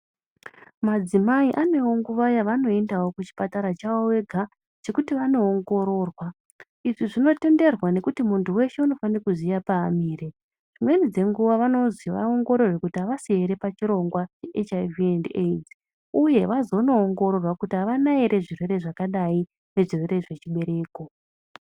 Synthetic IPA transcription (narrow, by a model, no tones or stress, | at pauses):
mad͡zimaiʔane̞wo̞ŋɡuʋajaʋano̞e̞ndawo̞kut͡ʃi̥pataɾat͡ʃaowe̞ɡʱa | t͡ʃe̞kutiʋano̞ːŋɡo̞ɾo̞rwa | iʐiʐino̞te̞nde̞rwane̞kutimuntuwe̞ʃe̞uno̞fanakuzijapaːmiːre | ʐimwe̞nid͡ze̞ŋɡuʋaʋano̞ziʋa̰oŋɡo̞ɾo̞rwekutiaʋasieɾe̞pat͡ʃiɾo̞ŋɡwat͡ʃeʔet͡ʃaviended͡z | uje̞ʋazo̞no̞ːŋɡo̞ɾo̞rwakutiaʋanaeɾe̞ʐirwe̞ɾe̞ʐakaɗai | ne̞ʐirwe̞ɾe̞ʐe̞t͡ʃiɓe̞ɾe̞ːko̞